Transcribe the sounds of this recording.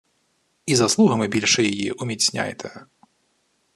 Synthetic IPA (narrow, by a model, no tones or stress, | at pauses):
izaslˠuɣɐmɨbʲilʲʂɨjajiʔumʲit͡sʲnʲa̰jt̪ʰɛ